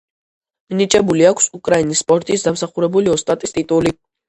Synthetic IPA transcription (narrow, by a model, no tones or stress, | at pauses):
minit͡ʃʼɛbuliakʰsukʼɾainisːpʼɔɾt̪ʼisd̪amsaχuɾɛbuliɔst̪ʼat̪ʼist̪ʼit̪ʼuli